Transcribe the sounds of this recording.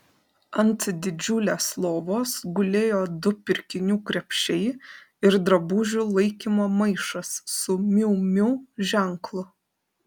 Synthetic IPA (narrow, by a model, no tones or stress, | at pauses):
ɐnʲt̪sʲɪd̪ʲɪd͡ʒʲʊlʲeːslˠoːʋoːsɡʊlʲeːjoːd̪ʊpʲɪɾʲkʲɪnʲuːkɾʲɛpʲʃʲɛɪ | ɪɾd̪ɾɐbuːʒʲulˠɐɪkʲiːmoːmɐɪʃɐsːʊmʲɪʊmʲʊʒʲɛˑŋklˠʊ